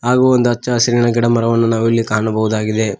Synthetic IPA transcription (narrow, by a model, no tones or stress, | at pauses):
ɦaːɡuːond̪uɐt͡ʃːɐsɐɾiɳɐɡɛɽɐmɐɾɐʋɐnːɐnaːʋilːikaːɐɳɐbɐɦud̪aːɡid̪e̞